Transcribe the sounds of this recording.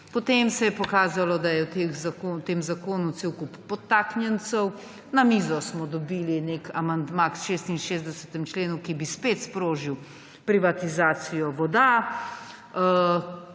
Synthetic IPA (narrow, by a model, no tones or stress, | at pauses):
pɔt̪emsɛjɛpɔkaːzalɔd̪ajɛwt̪exzakot̪eːmzakoːnut̪sewkupːɔt̪ːaːknjɛnt̪səw | namizɔsmɔd̪ɔbiːlinekamand̪maksʃeːst̪inʃeːzd̪ɛsɛ̥t̪ɛmt͡ʃleːnukibispeːt̪spɾoːʒiw | pɾiʋat̪izaːt̪sijɔʋɔd̪a